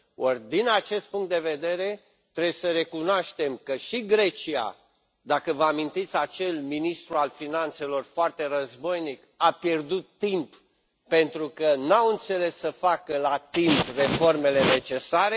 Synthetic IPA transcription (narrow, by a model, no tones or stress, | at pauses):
ord̪inat͡ʃe̞st̪̚puŋkt̪̚d̪e̞ve̞d̪e̞ɾe̞ | t̪ɾebjsəɾe̞kunoaʃt̪e̞mkəʃiɡɾe̞t͡ʃia̰ | d̪akəvəamint̪it̪sʲat͡ʃe̞lminist̪ɾualfinant̪se̞lo̞rfoart̪e̞rəzbo̞jnik | apjerd̪ut̪ːimp | pe̞nt̪ɾukənaɨnt̪se̞le̞sːəfakəlat̪impre̞fo̞rme̞le̞ne̞t͡ʃe̞saɾe